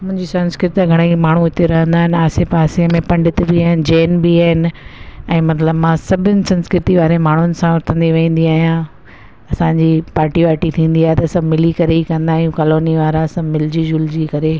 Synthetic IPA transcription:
mʊ̃ɦɪ̃ɲd͡ʑisɐ̃nskɾɪt̪aɡʱɐɽ̃ekmaːɳ̤uɪt̪eɾɐɦə̃nd̪aːɦɪnɪ̆aːsefaːseəmẽpɐ̃ɳɖɪt̪biaːɦɪnɪ̆d͡ʑeːnbiaːɦɪnɪ̆ɛ̃ːmɐt̪ləbmãsɐbʱɪnɪ̆sɐ̃nskɾɪt̪iʋaːɾemaːɳ̤ʊnɪ̆sãʊɾt̪ʰə̃nd̪iʋẽːn̆d̪iaːɦijã | ɐsãɲd͡ʑipaːɾʈiʋaːʈit̪ʰĩːn̆d̪iaːɦet̪ɐɐsɐ̃bʱmɪlikɐɾeikɐ̃nd̪aːjũkɐːloːniʋaːɾasɐ̃mɪld͡ʑid͡ʑʊld͡ʑikɐɾe

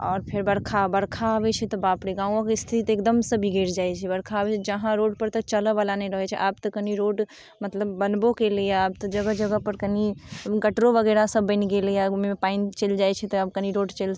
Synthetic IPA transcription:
ɔ̰ːɾpʰeɾbəɾkʰabəɾkʰaɦəbɛt͡ʃʰɛt̪ɔbapɽeɡãũõkest̪ʰit̪ek̚d̪əmsəbʱiɡeɾd͡ʒajt͡ʃʰɛbəɾkʰaəbɛt͡ʃʰɛd͡ʒəɦãɾoɖpəɾt̪ɔt͡ʃələʋalanɛĩɾəɦɛt͡ʃʰɛ̰ʔab̚t̪ɔkəniɾoɖ | mət̪ləbːənbokelejaaːb̚t̪ɔd͡ʒəɡəɦd͡ʒəɡəɦpəɾkəniɡəʈɾobəɡɛɾasəbːəɪniɡelejamepaint͡ʃeld͡ʒajt͡ʃʰɛt̪ɔəb̚kəniɾoɖt͡ʃel

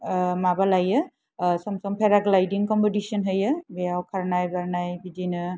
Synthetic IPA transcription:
mabalajɯ | sɔmsɔmpʰɛɾaɡlajdiŋkɔmpɔdisɔnɦɯjɯbɛjawkʰaɹnajbaɹnajbidinɯ

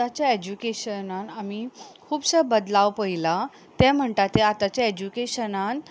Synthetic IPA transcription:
t̪at͡ɕjaed͡ʑukeɕənãnamikʰuːbsəbəd̪lawpəɦila | t̪ɛ̃m̤əɳʈat̪eat̪at͡ɕjaed͡ʑukeɕənan

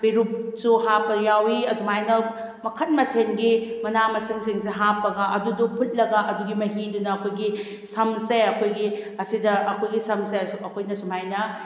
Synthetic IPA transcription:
beɾup̚suhapːɐjawiɐdumajnɐ | mɐkʰɐt̚mɐtʰenɡimɐnamɐsiŋseŋs̬eɦapɐɡɐʔɐdudupʰut̚lɐɡɐʔɐduɡimɐɦidunɐːkʰojɡi | sɐmseɐkʰojɡiɐsidɐɐkʰojɡisɐmsesɐkʰojnɐsumajnɐ

